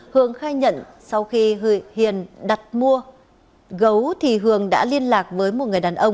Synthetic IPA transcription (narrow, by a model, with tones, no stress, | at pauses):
hɨ˨˩əŋxaː˧jɲə̰˧˨n | sa˧wxi˧hi˨˩ənɗa˨˩t̚mu˧ə | ɣə˨˦wt̪ʰi˨˩ɦɨ˨˩əŋɗa̰ː˧˥li˧ənlaː˨˩k̚vəː˨˦jmo˨˩t̚ŋɨ˨˩əjɗaː˨˩nʔə˧wŋ͡m